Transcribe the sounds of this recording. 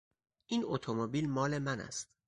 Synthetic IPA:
ʔiːnot̪ʰomobilmɒːle̞mænæ̰st̪̚

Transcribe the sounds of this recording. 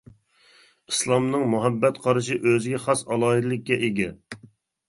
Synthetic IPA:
islˠɑmnɨŋmuɦɛbːɛt̪qʰɑɾɨʃiʔøzɪɡʲɛχɑsɑlˠɑːid̪lˠɪk̚ʲːɛʔeɡʲɛ

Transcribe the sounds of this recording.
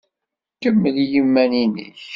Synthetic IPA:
kəmːəðjimːæninə̰ç

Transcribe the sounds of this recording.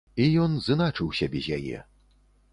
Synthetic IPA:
ijɔnzɨnat͡ʂɨwsʲɐbʲɛzʲjajɛ̰

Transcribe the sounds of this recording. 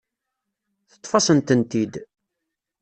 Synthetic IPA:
θə̥t̪ˤːfɑsənt̪ənt̪id̪

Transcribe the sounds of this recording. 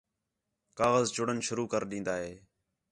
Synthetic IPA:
kaːɣəzd͡ʒʊɽənʃʊɾuːkəɾɗĩːnd̪aːɦeː

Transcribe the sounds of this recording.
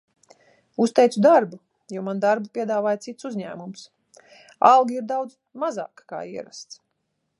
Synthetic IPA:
ust̪ɛjt̪sud̪aɾbu | jɔmand̪aɾbupʲiɛd̪aːvaːjt̪it̪suzʲɲæ̰ːmums | alˠɡʲiiɾd̪awd̪z | mazɑ̰ːkka̰ːiɛɾa̰st̪s

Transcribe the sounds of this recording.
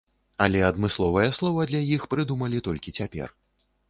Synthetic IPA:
ɐlʲɛɐd̪mɨslˠɔvɐjɛslˠɔvɐd̪lʲajixpɾɨd̪umɐlʲit̪ɔlʲkʲit͡sʲapʲɛ̰r

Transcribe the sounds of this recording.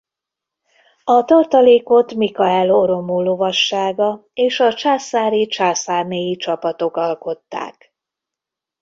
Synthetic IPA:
ɒt̪ɒrt̪ɒleːko̞t̪mikɒɛloɾo̞molovɒʃːaːɡɒeːʃɒt͡ʃaːsaːɾit͡ʃaːsaːrneːjit͡ʃɒpɒt̪o̞kɒlko̞t̪ːa̰ːk

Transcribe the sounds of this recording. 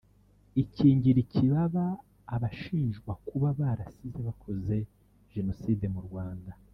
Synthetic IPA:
iciːɲɟiɾicʰiβaβaː | βaʃiːnʒɡwakuβaβaːɾasizeβakʰo̞ze̞ | ʒ̥e̞no̞siːde̞muɾɡwaːnda

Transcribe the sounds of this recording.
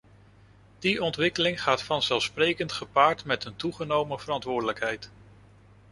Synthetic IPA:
d̥iɔntʋɪkəlɪŋχaːtfɑnzɛlˠfsprejkəntχəpaːɹtmɛtəntuχənowməv̥ərɑntʋʊːɹdələkɦɛjt

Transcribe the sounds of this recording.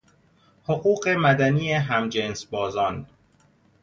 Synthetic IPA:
hoɢuːɢe̞mæd̪æniːjeɦæmd͡ʒensbɒːzɒːn

